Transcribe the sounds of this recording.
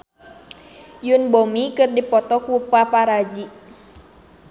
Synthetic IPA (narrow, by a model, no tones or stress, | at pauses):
junbomikɨrdipɔt̪ɔkupapaɾad͡ʒi